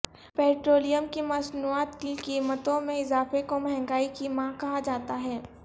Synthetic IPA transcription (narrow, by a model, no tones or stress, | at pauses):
pɛːʈɾoːlijəmkimɐsnuaːt̪kikiːmət̪õmẽɪzaːfekomɛɦɛ̃ŋɡaːikimãkɐɦad͡ʒaːt̪aɦɛː